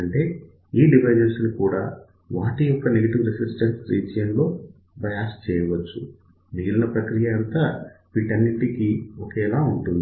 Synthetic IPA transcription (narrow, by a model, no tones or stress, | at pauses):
ɐɳʈe̞ː | iːɖiʋɐjd͡ʒɐnsnikuːɽaː | ʋaːʈijɔkːɐneɡɐʈiʋɾesisʈɐnsɾiːt͡ʃjɐnlo̞ː | bʱɐjaːst͡ʃɛːjɐʋɐt͡ʃːṵ | ʋiːlɐnɐpɾɐkɾijɐɐnt̪aːʋiːʈɐnːiʈikiɔkɛːlaːuɳʈund̪i